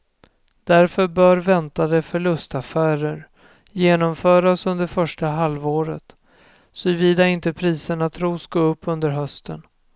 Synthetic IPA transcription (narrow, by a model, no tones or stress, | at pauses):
d̪̥æɾfœɾbœːɾvɛnt̪ad̪ɛfœɭɵst̪afæːɾəɾ | jeːnɔmfœːɾasɵnd̪əɾfœʂʈaɦalvoːɾət̪ | sɔviːd̪aɪnt̪əpʰɾiːsəɳat̪ʰɾuːsɡaɵpːɵnd̪əɾɦœst̪ʰən